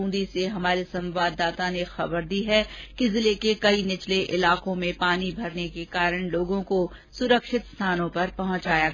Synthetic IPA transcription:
ũːnd̪iseɦɐmaːɾisɐ̃mʋaːd̪ːaːt̪anexɐbəɾd̪iːɦɛkizɪlekekɐinɪt͡ʃleʔɪlaːkõmẽpaːnibʱɐɾnekekaːɾəɽ̃loːɡõko | sʊɾəkʃɪt̪st̪ʰaːnõpɐɾpɐɦʊ̃t͡ʃaːja

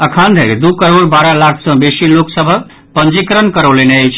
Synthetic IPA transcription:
əkʰand̪ʱekd̪ukəɾoɾbaɾalakʰsə̃besiloksəbʱə | pənd͡ʒikɾənkəɾəleneəjt͡ʃʰ

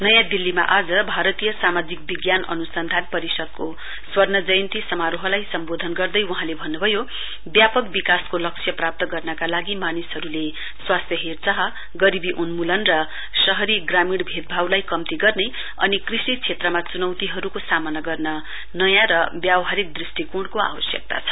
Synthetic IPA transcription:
nʌjãd̪ilːima̰ʔad͡zʌbʱaɾʌt̪ijʌsamad͡zik̚biɡjanʌ̰nusʌnd̪ʱanpʌɾisʌd̪̚ko | swʌrnʌd͡zʌjʌnt̪isʌmaɾoɦʌlajsʌmbod̪ʱʌnɡʌrd̪ʌjuɦãlebʱʌnːubʱʌjo | bjapʌkbikaskolʌksʰjʌprap̚t̪ʌɡʌrnʌkalaɡimanisɦʌɾule | swast̪ʰjʌɦert͡sʌɦʌ | ɡʌɾibiʔunmulʌnrʌ | sʌɦʌɾiɡramiɽbʱed̪̚bʱawlajkʌmt̪iɡʌrne | ʌ̰nikrisit͡sʰet̪rʌmat͡sunʌwt̪iɦʌɾukosamʌnaɡʌrnʌ | nʌjãɾʌbjawɦaɾik̚d̪risʈikuɽkoa̰wʌsjʌ̰k̚t̪a̰t͡sʰʌ̥

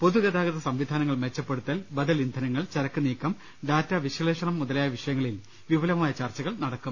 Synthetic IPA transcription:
po̞ðuɡɐðaːɡɐðɐsɐmʋid̪ʱaːnɐŋːɐɭmet͡ɕːɐpːe̞ɽut̪ːɐlbɐðɐlind̪ʱɐnɐŋːɐɭt͡ɕɐɾɐkːɨniːkːɐm | ɖaːtːɐʋiʂɐleːʂɐɳɐmːuðɐlaːjɐʋiʂɐjɐŋːɐɭil | ʋiʋɐlɐmaːjɐt͡ɕaːrt͡ɕɐɣɐɭnɐɽɐkːum

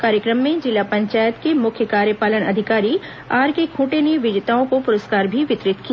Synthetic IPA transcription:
kaːɾjəkɾəmːẽd͡ʒɪlapɐ̃ɲt͡ʃaːjət̪kemʊkʰjəkaːɾjəpaːlənɐ̰d̪ʱɪkaːɾi | aːɾkekʰũːʈeneʋɪd͡ʒt̪aːõkopʊɾəskaːɾbʱiʋɪt̪ɾɪt̪ki

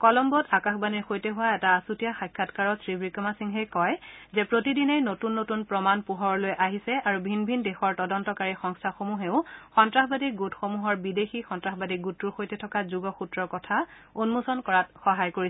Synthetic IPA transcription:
kɔlɔmbɔtakaxbaniɹxojtɛɦʊwaɛtaːsutijaxajkʰːatkaɹɔsɹibɹikɔmasiŋɦɛjkɔjzɛpɹotidinejnotunːotunpɹɔmanpuɦɔɹlojʔaɦisɛaɹubʱinbʱindexɔɹtɔdɔntɔkaɹixɔŋstʰaxomuɦeʊxɔntɹaxbadiɡutxomuɦɔɹbidexixɔntɹaxbadiɡutːuɹxojtɛtʰɔkazuɡɔxutɹɔɹkɔtʰa | unmusɔnkɔɹatxɔɦajkoɹisɛ

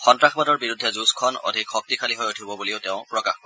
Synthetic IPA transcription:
xɔntɹaxbadɔɹbiɹudʱːɛzuskʰɔno̰dʱikxɔk̚tikʰaliɦɔjutʰibɔbuliʊteʊ̃pɹɔkaxkɔɹ

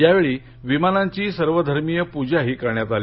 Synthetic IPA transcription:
jaʋeɭiː | ʋimanaɲt͡ɕiːsəɾʋəd̪ʱəɾmijəpud͡ʑaɦiːkəɾɳjat̪ali

